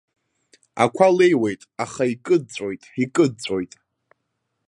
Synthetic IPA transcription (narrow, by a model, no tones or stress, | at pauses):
a̰kʷʰale̞jwe̞jtʼaχaikʼɨd̚t͡sʷʼo̞jtʼikʼɨd̚t͡sʷʼo̞jtʼ